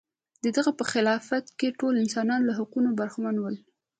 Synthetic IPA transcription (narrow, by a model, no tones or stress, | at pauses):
d̪əd̪aɣapəxɪlɑfat̪keʈolɪnsɑnɑnolaɦaqunobaɾxmanwəl